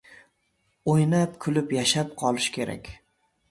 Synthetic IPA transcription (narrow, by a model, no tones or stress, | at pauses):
ojnapkʰʊlɪpjaʃap̚qʰɒlˠɪʃkʲʰe̞ɾa̰kʲ